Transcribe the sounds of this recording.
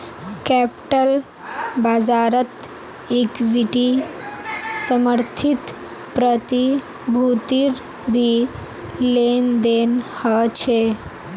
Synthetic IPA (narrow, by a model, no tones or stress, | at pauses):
kɛpʈəl | bad͡ʒaːɾət̪ | ekʋiʈi | səməɾt̪ʰit̪ | pɾət̪i | bʱut̪iɾ | bʱi | lend̪enhɔt͡ʃʰe